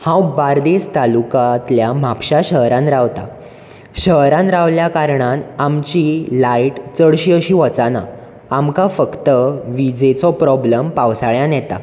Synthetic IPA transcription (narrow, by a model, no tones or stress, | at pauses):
hãwbaɾd̪est̪alukat̪ljam̤apɕaɕəɦɾãnɾaʋt̪a̰ | ɕəɦɾãnɾaʋljakaɾɳanamt͡ɕilaiʈt͡səɽɕiːəɕiːʋət͡sana̰ | amkafəkt̪əʋid͡zet͡sɔpɾɔbləmpawsaɭjãnjɛt̪a̰